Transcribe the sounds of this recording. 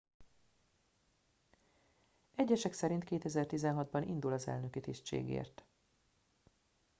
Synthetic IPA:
ɛɟːɛʃɛksɛɾint̪keːt̪ɛzɛrt̪izɛnɦɒd̪̚bɒnʔḭnd̪ulɒzɛ̰lnøkit̪iʃt͡ʃḛːɡḛːrt̪

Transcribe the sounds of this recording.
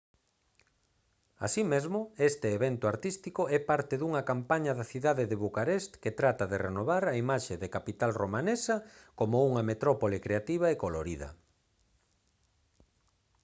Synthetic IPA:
a̰simezmʊest̪eːβent̪ʊaɾt̪ist̪ikoɛpaɾt̪ɪðuŋɐkampaɲɐðaθiðaðeðeβukaɾest̪ket̪ɾat̪ɐðerenoβaɾɐimaʃeðekapit̪alromanesɐkomouŋɐmet̪ɾɔpolekɾeat̪iβ̞ɐekoloɾiðɐ̰

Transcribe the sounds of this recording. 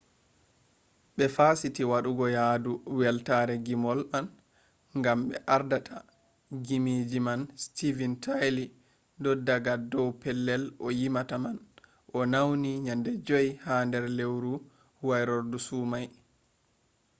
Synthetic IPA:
ɓɛfaːsitiwaɗuɡɔjaduwɛltaɾɛɡimɔlʔan | ŋɡamɓɛ̰ʔaɾdatʰa | ɡimid͡ʒimanstivintʰajli | dɔdaɡadɔwpɛlːɛlʔɔjimataman | ʔɔnawniɲandɛd͡ʒɔjhandɛɾlewɾu | wajɾoɾdusumaj

